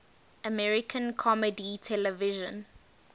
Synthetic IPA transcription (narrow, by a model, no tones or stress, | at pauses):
əmɛɹikʰə̃nkʰɔməditʰɛləvɪʒə̃n